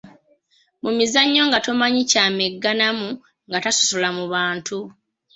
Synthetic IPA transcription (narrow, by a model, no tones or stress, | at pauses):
mumizaɲːo̞ŋɡato̞maɲicaːmeɡːanamu | ŋɡataso̥solamuβaːntʰu